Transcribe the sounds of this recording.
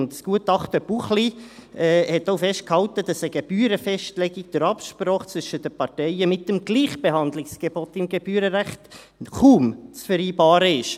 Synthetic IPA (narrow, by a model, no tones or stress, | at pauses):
ndsɡ̥uətɑχtəb̥uχliɛːhɛtːoʊfɛʃt̚khɑltədɑsəɡeb̥yːɾəfɛʃtlɛɡiɡ̚d̥əɾɑpʃpɾoːχt͡sʋʏʃəd̥əpɑɾtɛɪəmɪtəmɡ̥liːχb̥eɦɑndlɪksɡ̥ebɔtɪmɡeb̥yːɾəɾæχt | χuːmt͡sfəɾiːbɑːɾəɪʃ